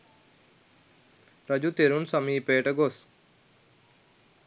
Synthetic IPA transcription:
pɾɐd͡ʒut̪eɾunsɐmiːpeːʈəɡos

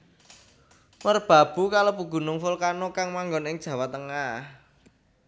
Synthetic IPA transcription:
mərb̥ä̤b̥ṳkalopuɡ̥ṳnʊŋfʊlkanokaŋmaŋɡɔnɪŋ̥ʒ̥ä̤wat̪əŋah

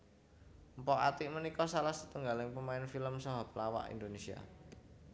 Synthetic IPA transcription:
mpɔʔa̰t̪ɪʔmənikɔsalahsə̥t̪uŋɡalɪŋpəmaɪnfiləmsɔɦap̚lawa̰ʔḭnd̪onesia̰

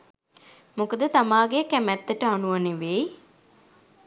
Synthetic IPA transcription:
mukəd̪ət̪amaːɡekæmæt̪ːəʈəanuʋɐneʋej

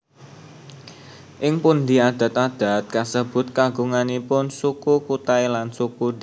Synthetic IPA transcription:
ʔɪŋpund̪i̤ad̪̥ä̤t̪ad̪̥a̤t̪̚kasəb̥ʊ̤t̪̚kaɡuŋanipʊnsukukut̪aelansukud̥

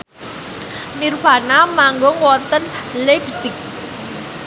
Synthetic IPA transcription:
nirfanamaŋɡɔŋwɔnt̪ən | lebsɪk̚

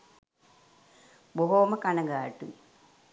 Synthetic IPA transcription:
boɦoːmɐkɐnɐŋɡaːʈːu

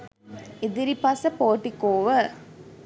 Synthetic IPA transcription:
ed̪iɾipɐsəpoːʈikoːʋə

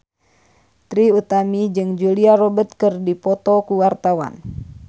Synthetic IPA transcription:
t̪ɾiut̪amid͡ʒɨŋd͡ʒuliaɾɔbət̪̚kɨrdipɔt̪ɔkuwart̪awa̰n

